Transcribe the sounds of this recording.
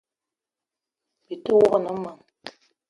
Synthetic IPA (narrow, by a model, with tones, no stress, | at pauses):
bi˨tu˦wo˦ɣə˦˨nɔ˨˦ma˨ŋ